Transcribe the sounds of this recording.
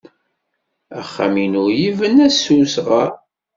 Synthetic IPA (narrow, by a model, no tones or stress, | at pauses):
æ̰χːa̰minʊjivənæsusʁa